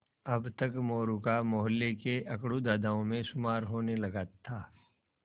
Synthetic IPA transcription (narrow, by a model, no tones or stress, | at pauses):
ɐbt̪ɐkmoːɾukamoːɦəlːekeʔɐkɽud̪aːd̪aõmẽsʊmaːɾɦoːnelɐɡaːt̪ʰːaː